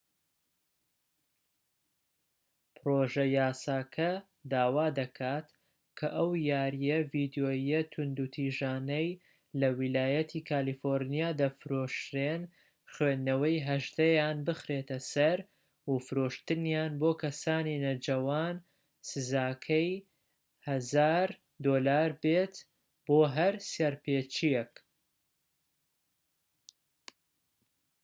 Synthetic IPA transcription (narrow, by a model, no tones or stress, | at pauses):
pɨɾoʒɐjaːsaːkʰɐ | d̪aːwaːd̪ɐkʰaːt̪ | kʰɐʔɐwjaːɾijɐvid̪joːjɐt̪ʰʊnd̪ut̪ʰiːʒaːnɐj | lɐwilaːjɐt̪ʰiːkʰaːlifoɾnijaːd̪ɐfɾoʃɾen | xɥeːnɐwɐjɦɐʒd̪ɐjaːnbɨxɾet̪ɐsɐɾ | ufɨɾoʃt̪ɨnjaːnboːkʰɐsaːninɐd͡ʒɐwaːn | sɨzaːkʰɐj | hɐzaːɾ | d̪oːlaːɾbet̪ | boːɦɐɾsjɐɾpeːt͡ʃijɛk